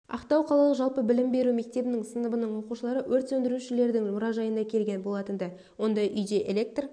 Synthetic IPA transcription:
ɑ̰qt̪ɑwqʰɑlˠɑlˠəʒɑlˠpəbɪlɪmbe̞ɾume̞k̚t̪e̞bɪnɪŋsənəbənəɴwo̞quʃəlˠɑɾəwʔɵɾt̪sɵnd̪ɪɾuʃɪle̞ɾd̪ɪŋmʊɾɑʒɑjənd̪ɑkʲʰe̞lɡʲe̞nbo̞lˠɑt̪ənd̪ɑ | wo̞nd̪ɑjʔʏjd̪e̞ʔelʲe̞k̚t̪r

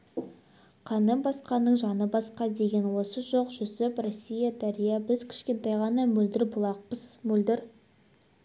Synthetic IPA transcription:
qʰɑnəmbɑsqɑnːəɴʒɑnəbɑsqɑd̪e̞ɡʲe̞nwo̞səʒo̞qʒʏsɪprosʲːijad̪æɾijabɪzkʲʰɪ̥ʃkʲe̞nt̪ɑjʁɑnɑmɵld̪ɪɾbʊlˠɑq̚pəz̥mɵld̪ɪɾ

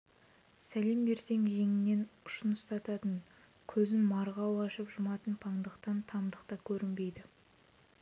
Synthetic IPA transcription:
sæle̞mbe̞ɾse̞ŋʒe̞ŋɪnːe̞nʊʃənəst̪ɑt̪ɑt̪əɴ | kʲʰɵzɪnmɑɾʁɑwɑʃəpʒʊmɑt̪ənpʰɑɴd̪əqt̪ɑnt̪ʰɑmd̪əqt̪ɑkʲʰɵɾɪnbe̞jd̪ɪ

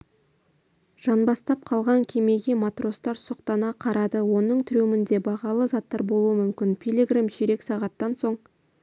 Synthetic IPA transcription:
ʒ̥ɑnbɑst̪ɑp̚qʰɑlˠʁɑŋkʲʰe̞me̞ɡʲemat̪ro̞st̪ɑɾsʊqt̪ɑnɑqʰɑɾɑd̪əwo̞nəɴt̪ʰʏɾumɪnd̪e̞bɑʁɑlˠəzɑt̪ːɑɾbo̞lˠuəmʏmkʲɪnpʲʰilʲeɡramʒeɾe̞ksɑʁɑt̪ːɑnso̞ɴ

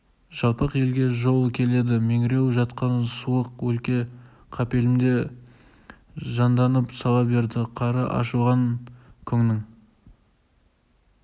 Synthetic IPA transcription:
ʒ̥ɑlˠpəqe̞lɡʲe̞ʒo̞lˠkʲʰe̞le̞d̪ɪmeŋɪɾe̞wʒɑt̪qɑnsuəqwɵlkʲe̞ | qʰɑpe̞lɪmd̪e̞ | ʒɑnd̪ɑnəpsɑlˠɑpbe̞ɾd̪ɪqʰɑɾəʔɑ̰ʃuʁɑŋkʲʰʏŋnɪŋ

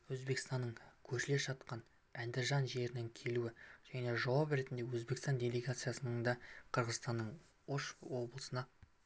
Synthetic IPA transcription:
wɵzbe̞kst̪ɑnːəɴkʲʰɵɾʃɪle̞ʃɑt̪̚qɑn | ænd̪ɪɾʒɑnʒe̞ɾɪnɪŋkʲʰe̞luɪʒ̥æne̞ʒɑwɑpɾe̞t̪ɪnd̪e̞wɵzbe̞kst̪ɑndʲe̞lʲe̞ɡat̪sɨjasənəɴd̪ɑqʰəɾʁəzst̪ɑnːəɴ | oʃwo̞blˠəsənɑ

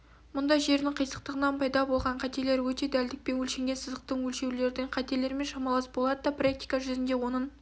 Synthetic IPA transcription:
mʊnd̪ɑjʒe̞ɾd̪ɪŋqʰəjsəq̚t̪əʁənɑnpʰɑjd̪ɑbo̞lˠʁɑɴqʰɑt̪e̞le̞ɾwɵt̪e̞d̪æld̪ɪk̚pe̞wɵlʃe̞ŋɡʲesəzəq̚t̪əɴwɵlʃe̞wle̞ɾd̪ɪŋqʰɑt̪e̞le̞ɾme̞nʃɑmɑlˠɑsbo̞lˠɑd̪əd̪ɑprak̚t̪i̥jkaʒʏzɪnd̪e̞wo̞nəɴ

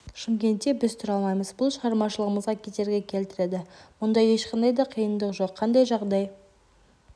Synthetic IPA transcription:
ʃɪmkʲe̞nt̪ːe̞bɪzt̪ʰʊɾɑlˠmɑjməzbʊlˠʃəʁɑɾmɑʃəlˠəʁəməzʁɑkʲʰe̞t̪e̞ɾɡʲe̞kʲʰe̞lt̪ɪɾe̞d̪ɪmʊnd̪ɑje̞ʃqʰɑnd̪ɑjd̪ɑqʰəjənd̪əqʒo̞qʰːɑnd̪ɑjʒɑʁd̪ɑj

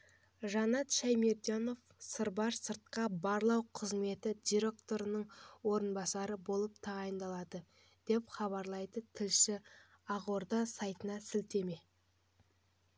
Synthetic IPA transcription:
ʒɑnɑt̪ʃæjmeɾd̪ijano̞fsəɾbɑʃsəɾt̪̚qɑbɑɾlˠɑwqʰəzme̞t̪ɪd̪ʲijɾʲe̞k̚t̪o̞ɾənəɴwo̞ɾənbɑsɑɾəbolˠəp̚t̪ʰɑʁɑjənd̪ɑlˠɑd̪ə | d̪̥e̞pχɑβɑɾlˠɑjd̪ət̪ʰɪlʃɪ | ɑʁoɾd̪əsɑjt̪ənɑsɪlt̪e̞me̞

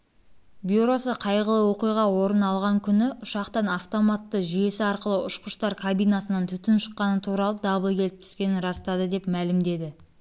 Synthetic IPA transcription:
bʲjuɾo̞səqʰɑjʁəlˠəwo̞qijʁɑwo̞ɾənɑlˠʁɑŋkʲʰʏnɪʊʃɑqt̪ɑnɑft̪o̞mɑt̪ːəʒʏje̞sɪɑɾqəlˠəʔʊʃqəʃt̪ɑɾkʰabijnɑsənɑnt̪ʰʏt̪ɪnʃə̥qːɑnət̪ʰuɾɑlˠəd̪ɑbəlˠkʲʰe̞lp̚t̪ɪ̥spʲe̞nɪnɾɑst̪ɑd̪əd̪e̞pmælɪmd̪e̞d̪ɪ

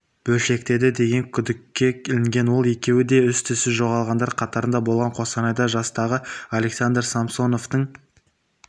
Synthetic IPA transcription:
b̥ɵlʃe̞k̚t̪e̞d̪ɪd̪e̞ɡʲe̞ŋkʲʰʏd̪ɪkʲːe̞kʲʰelɪŋɡʲe̞nwo̞lˠe̞kʲe̞wɪd̪e̞ʏst̪ʰʏsɪʒo̞ʁɑlˠʁɑnd̪ɑɾqʰɑt̪ɑɾənd̪ɑbo̞lˠʁɑɴqʰo̞sɑnɑjd̪ɑʒɑst̪ɑʁəalʲe̞ksand̪ɾsamso̞no̞ft̪əɴ

